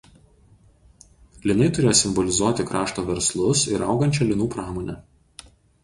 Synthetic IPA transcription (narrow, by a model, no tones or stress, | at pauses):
lʲɪnɐɪt̪ʊɾʲeːjɔːsʲɪmbɔlʲɪzuɔt̪ʲɪkɾɑːʃt̪oːʋʲɛɾslˠʊsɪɾɐˑʊɡɐnʲt͡ʃʲɛlʲɪnuːpɾɑːmoːnʲɛ